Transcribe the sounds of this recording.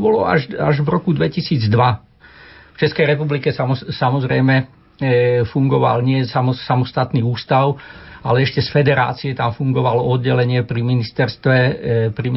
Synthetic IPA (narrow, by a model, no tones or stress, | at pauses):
bɔlɔa̰ʒaʒʋɾɔkud̪ʋɛcisiːd͡zd̪ʋa | ft͡ʃɛskɛjɾɛpublikɛsaɔsamɔzɾɛjmɛ | fuŋɡɔʋa̰lɲɪɛsamɔsamɔst̪at̪niːuːst̪aʊalɛɛʃcɛsfɛd̪ɛɾa̰ːt͡siɛt̪amfuŋɡɔʋalɔɔd̪ɟɛlɛɲɪɛpɾiminist̪ɛɾst̪ʋɛpɾi